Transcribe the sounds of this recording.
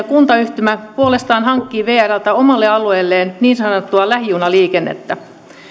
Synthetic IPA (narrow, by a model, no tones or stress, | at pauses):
kunt̪ɑyht̪ymæpuolest̪ɑːnɦɑŋkːiːʋeːærælt̪æomɑlːeɑlueːlːeːnniːnsɑnot̪ːuɑlæhjunɑliːkenːḛt̪ːæ